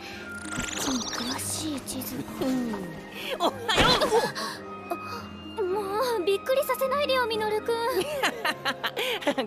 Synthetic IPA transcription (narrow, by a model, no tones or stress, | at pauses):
omkʰɯɾaɕiːt͡ɕizɨ̃ | oajo | moːbʲikːɯ̟ɾʲisase̞naid̪ejoːmʲinoɾɯ̟kɯ